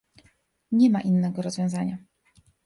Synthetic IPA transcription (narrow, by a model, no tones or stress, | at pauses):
ɲɛmaʔinːɛɡɔɾɔzvʲjɔ̃zaɲa